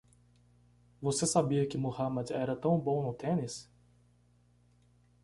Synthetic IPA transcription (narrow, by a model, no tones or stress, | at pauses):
vosesabiɐkɪmohamɐd̪ɛɾɐt̪ɐ̃w̃bõw̃nʊt̪ẽnɪs